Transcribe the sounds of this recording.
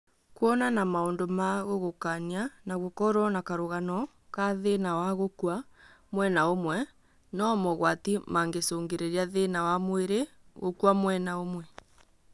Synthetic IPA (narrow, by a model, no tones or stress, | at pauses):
kwɔnanamaondomaɣoɣokanianaɣokɔɾɔnakaɾoɣanɔ | kaðenawaɣokwamwɛnaomwɛ | nɔmɔɣwatimaŋɡesoŋɡeɾeɾiaðenawamweɾeɣokwamwɛnaomwɛ